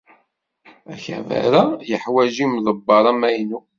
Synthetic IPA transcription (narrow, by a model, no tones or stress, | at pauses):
æçæ̰væ̰ɾæjəħwæʒimðˤəbːɑɾˤɑmæjnu